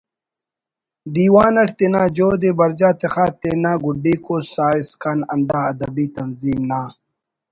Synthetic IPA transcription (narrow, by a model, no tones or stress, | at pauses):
d̪iːwaːnɐʈt̪enaːd͡ʑoːd̪ebɐɾd͡ʑaːt̪exaːt̪enaːɡuɖːiːkoːsaːiskɐnɐnd̪aːɐd̪ɐbiːt̪ɐnziːmnaː